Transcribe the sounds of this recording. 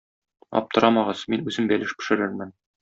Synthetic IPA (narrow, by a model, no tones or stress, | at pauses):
ɒ̰p̚t̪ɤ̆ɾɑmɑʁɤz̥minʉzɘmbælɘʃbɘ̆ʃɘ̆ɾɘɾmɘn